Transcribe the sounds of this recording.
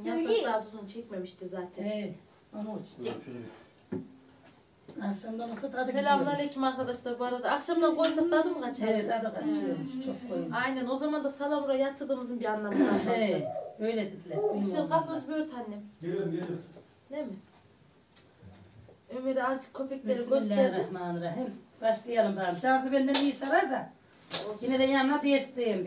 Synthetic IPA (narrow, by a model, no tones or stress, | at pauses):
jaad̪aːd̪uzunt͡ʃʰɛcme̞miʃt̪ʰizaːt̪ʰɛne | ant͡ʃʰ | akʃamd̪anasɯaelʲamˠaɾlʲecʰimaɾkʰad̪aʃlˠaɾbuaɾad̪ɯakʃamd̪aɡʰoɾsaklˠad̪ɯmkʰat͡ʃevɛad̪akʰat͡ʃʃɯmʃt͡ʃʰok̚aajnæno̞zamand̪asalˠamɾajat̪ʰːɯɾd̪ɯːmɯzɯnbiɾanlˠamɯna | ø̞jlʲɛd̪ed̪ilʲɛɾseɾkʰapmazbyøɾt̪ʰhanːɛm | nemɪ | ømed̪ɛazd͡ʒʰɯ̥kʰːø̞pʰɛkʲlʲeɾiɡʲøsæɾdhmaːnˠɯɾaɦim | baʃlˠɯjanɯmb̪aɾɯmt͡ʃʰazɯbɛnd̪ɛnijisaɾaɾd̪a | jined̪ɛjannad̪ijesid̪ejim